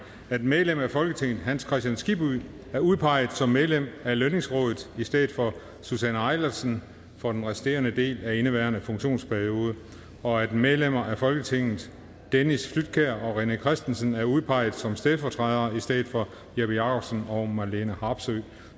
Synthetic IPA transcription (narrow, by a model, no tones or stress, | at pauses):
æd̥meðˠlem̰æfɒ̽lɡ̥ət͡sʰe̝ŋ̰ð̩ˠɦænskʰʁɛsd̥jænsɡ̥ib̥u | æɐuð̞ˠpʰɑ̈ɪ̰ð̩ˠsɒ̽mːeðˠlem̰æløne̝ŋsʁɔ̰̽ːðˠðˠisd̥eð̩ˠfɒ̽ | susænɑ̈ɪlɐsən | fɒ̽d̥enʁɛsi̥d̥e̝̰ːɐnəd̥e̝̰ːlæe̝nəʋæɐnəfɔ̽ŋɕo̝̰ːnspʰæɐio̝ːð̞ˠə | ɒ̽æd̥með̞ˠlem̰ɐʔæfɒ̽lɡ̥ət͡sʰe̝ŋ̰ð̩ˠ | d̥enisflyd̥̚kʰeɐ̰ɒ̽ʁenəkʰʁɛsd̥ensənæɐuð̞ˠpʰɑ̈ɪ̰ð̩ˠsɒ̽msd̥eð̞ˠfɒːt͡sʰʁɛðˠɐisd̥eð̩ˠfɒ̽ | jæb̥ijɑ̈kʰɒ̽b̥sənɒ̽mɑlenəhɑ̈ːb̥sø